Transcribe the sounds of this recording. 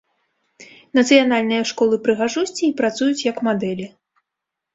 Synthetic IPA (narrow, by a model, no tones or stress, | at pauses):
nɐt̪sɨjanalʲnɨjɐʂkɔlˠɨpɾɨɣaʐusʲt͡sʲiːpɾat̪sujut͡sʲjɐkmad̪ɛlʲi